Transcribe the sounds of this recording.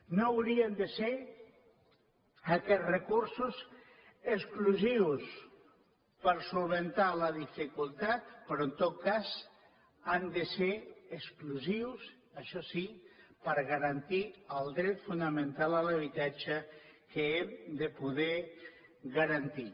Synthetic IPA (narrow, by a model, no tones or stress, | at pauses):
nowɾiənd̪əseɾ | akɛrekuɾsus | əskluziws | pəɾsulβent̪aləðifikulˠt̪at̪̚pɾɔent̪ot̪̚kaz | and̪əseɾeskluziws | əʃɔsipəɾɣaɾant̪iəlˠd̪ɾɛt̪funəmẽnt̪alələβ̞it̪at͡ʃəkeemd̪əpuðɛ | ɣaɾant̪i